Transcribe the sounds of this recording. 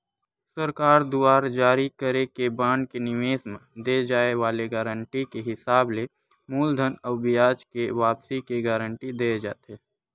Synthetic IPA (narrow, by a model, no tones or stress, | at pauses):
səɾkaːɾd̪uaːɾd͡ʒaːɾikəɾekebãːɳɖkenɪʋeːsmd̪ed͡ʒaːeʋaːleɡaːɾəɳʈikeɦɪsaːble | muːld̪ʱənɔːbɪjaːd͡ʒkeʋaːpsikeɡaːɾə̃ɳʈid̪eːd͡ʒaːt̪eː